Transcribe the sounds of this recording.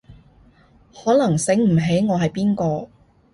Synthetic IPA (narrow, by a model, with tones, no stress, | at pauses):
hɔː˨˥lɐ˨˩ŋsɪ˨˥ŋm̩˨˩ɦe˨˥jŋɔː˨˧ɦɐ˨jpiː˥nkɔː˧